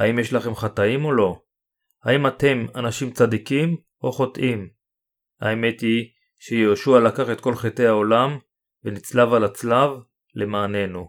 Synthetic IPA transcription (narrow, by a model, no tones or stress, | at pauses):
haimjeʃlaχe̞mχat̪aimo̞lo̞ | haimat̪e̞manaʃimt͡sad̪ikim | o̞χo̞tʔim | a̰e̞me̞t̪i | ʃejeoːʃualakaχe̞t̪̚ko̞lχet̪e̞haolam | venit͡slavalat͡slav | le̞maːne̞nu